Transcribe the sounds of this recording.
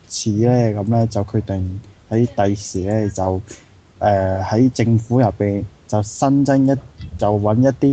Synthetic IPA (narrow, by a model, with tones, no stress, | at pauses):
t͡sʰiː˨˥lɛː˥kɐ˨˥mlɛː˥t͡sɐ˨wkʰɵ˨˧t̪ɪ˨˩ŋhɐ˨˥jt̪ɐ˨jsiː˨˩lɛː˥t͡sɐ˨w | ʔɛː˧˩hɐ˨˥jt͡sɪ˧ŋfuː˨˥jɐ˨˩pːiː˨nt͡sɐ˨wsɐ˥nt͡sɪ˥ŋjɐ˥t̚t͡sɐ˨˩wːɐ˨˥njɐ˥t̚t̪iː˥